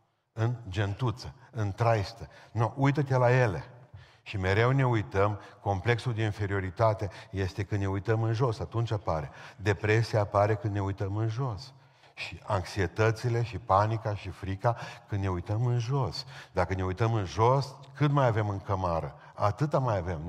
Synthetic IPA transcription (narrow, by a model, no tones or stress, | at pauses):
ɨnd͡ʒe̞nt̪ut̪səɨnt̪ɾajst̪ənoʔujt̪ət̪elaje̞le̞̰ | ʃime̞ɾe̞wne̞ujt̪əmko̞mple̞ksuld̪e̞infe̞ɾio̞ɾit̪at̪e̞je̞st̪e̞kɨnd̪neujt̪əmɨnʒo̞sat̪unt͡ʃʲapaɾe̞d̪e̞pɾe̞siapaɾe̞kɨnd̪ne̞ujt̪əmɨnʒo̞s | ʃiʔaŋksie̞t̪ət̪sile̞ʃipanikaʃifɾikakɨnd̪ne̞ujt̪əmɨnʒo̞sd̪akəne̞ujt̪əmɨnʒo̞s | kɨmajave̞mɨŋkəmaɾə | a̰t̪ɨt̪amajave̞m